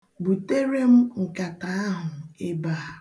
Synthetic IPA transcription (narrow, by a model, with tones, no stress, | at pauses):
bu˨te˦ɾe˦m̩˦ŋ̩˨ka˨ta˨a˦ɦʊ˨e˦baː˦˨